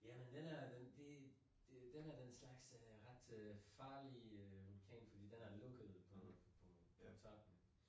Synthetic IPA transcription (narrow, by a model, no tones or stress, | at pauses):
jæmend̥enæɐd̥end̥e̝ | d̥ed̥enæɐd̥enslɑ̈ɡ̥sʁɑd̥øfɑ̈ːliøʋulkʰɛ̰ːnfɒ̽d̥ḭːd̥enæɐlɔɡ̥əð̩ˠpʰɒpʰɒ | pʰɔt͡sʰɑb̥n̩